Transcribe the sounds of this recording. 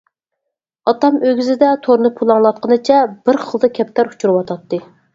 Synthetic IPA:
ɑt̪ɑmøɡʲyzɪd̪ɛt̪ʰoɾnɨpʰulˠɑŋlˠɑt̪̚qʰənɨt͡ʃʰɛb̥ɪɾχəlˠd̪ɨkʲʰɛp̚t̪ʰæɾu̥t͡ʃʰuɾɨwɑt̪ʰɑt̪ːɨ

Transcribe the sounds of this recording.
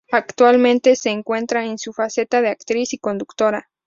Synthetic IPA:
akt̪walmẽnt̪e̞se̞ːŋkwe̞nt̪ɾaensufase̞t̪aðeakt̪ɾisiko̞nd̪ukt̪o̞ɾa

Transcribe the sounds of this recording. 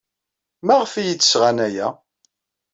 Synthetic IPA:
mæʁfijit͡s̪ːə̥sʁænæjæ

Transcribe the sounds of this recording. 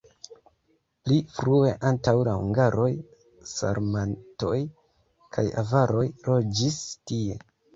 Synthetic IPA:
plifɾue̞ʔantawlahṵŋɡaɾʔo̞j | sa̰ɾmanto̞j | kʰajavaɾo̞jɾo̞d͡ʒistie̞

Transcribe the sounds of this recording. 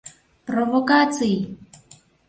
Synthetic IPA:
prɔvɔkat͡sʰi

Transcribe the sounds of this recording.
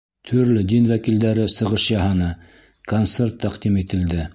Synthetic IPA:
t̪ʰɵ̆ɾlɵd̪inwækild̪æɾɘsɤ̆ʁɤʃjɑɦɤnɤ | kont̪sert̪ːæqd̪imit̪ɘ̆ld̪ɘ

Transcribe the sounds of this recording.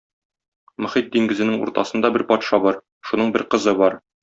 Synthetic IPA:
mɵ̆χit̪̚d̪iŋɡɘ̆zɘ̆nɘŋṵɾt̪ɑ̰sɤ̆nd̪ɑbɘɾpɒt̪ʃɑbɒɾ | ʃunɤɴbɘɾqɤ̆zɤbɒɾ

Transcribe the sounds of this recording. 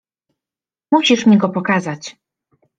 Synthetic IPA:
muɕiʂmʲiɡɔpɔkazat͡ɕ

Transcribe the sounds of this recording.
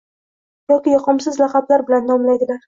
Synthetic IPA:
jɒkʲɪjɒqʰɨmsɪzlɑqʰɑblaɾbɪland̪ɒmlajd̪ɪlaɾ

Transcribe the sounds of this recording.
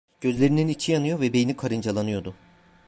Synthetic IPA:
ɟ̥ø̞zlʲe̞ɾininit͡ʃʰijanɯjo̞vɛbejinikʰaɾɯnd͡ʒalˠanɯjo̞d̪ʊ

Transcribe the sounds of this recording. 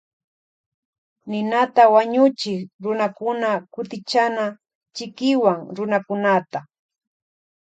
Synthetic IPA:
nɪnat̪awaɲʊt͡ʃɪkɾʊnakʊnakʊt̪ɪt͡ʃana | t͡ʃɪkɪwaŋɾʊnakʊnat̪a

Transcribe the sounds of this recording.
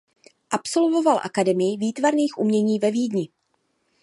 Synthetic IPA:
ʔapso̞lvo̞valʔa̰kadɛmɪjɪviːt̪vaɾniːxʔumɲɛɲiːvɛviːdɲɪ

